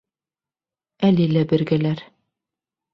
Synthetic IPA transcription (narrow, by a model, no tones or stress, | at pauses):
ælilæbɘ̆ɾɡælæɾ